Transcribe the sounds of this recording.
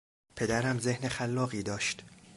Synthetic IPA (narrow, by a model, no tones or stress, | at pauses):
pʰe̞d̪æɾæmze̞hnexælːɒːɣiːd̪ɒːʃt̪